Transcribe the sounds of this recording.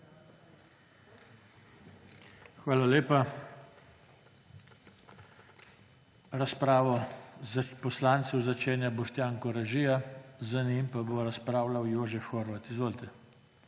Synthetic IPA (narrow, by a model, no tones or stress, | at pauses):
xʋaːlaleːpa | ɾaspɾaːʋɔ | pɔslaːnt̪sɛwzat͡ʃeːnjabɔʃt̪jaːŋkɔɾaʒijazanimpaboɾaspɾaːwlawjoːʒɛfxoːɾʋat̪izʋoːlt̪ɛ